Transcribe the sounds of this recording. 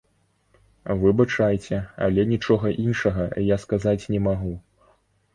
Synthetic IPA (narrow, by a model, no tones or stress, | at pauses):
vɨbat͡ʂajt͡sʲɛa̰lʲɛnʲit͡ʂɔɣɐʔinʂɐɣɐjaskazat͡sʲnʲɛmaɣu